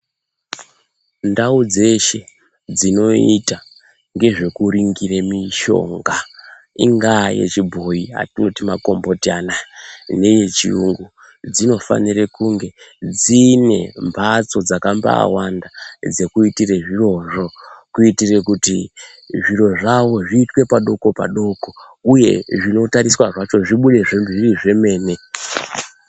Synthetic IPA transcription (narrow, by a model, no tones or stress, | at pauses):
ndaud͡ze̞ʃe̞ | d͡zino̞ita | ŋɡe̞ʐe̞kuɾiŋɡiremiʃo̞̰ːŋɡa | ḭŋɡaje̞̰t͡ʃibʱoia̰tino̞timako̞mbo̞tanane̞je̞t͡ʃḭṵŋɡu | d͡zino̞fa̰nirekuŋɡe̞d͡zine̞̰mbʱat͡so̞d͡zakamba̰a̰wandad͡ze̞kuitire̞ʐiro̞ʐo̞kuitire̞kuti | ʐiɾo̞ʐawo̞ʐiːtwe̞paɗo̞ko̞pa̰ɗo̞ko̞ | uje̞ʐino̞taɾiswaʐat͡ʃo̞ʐiɓuɗe̞ʐemʐiriʐe̞me̞ːne̞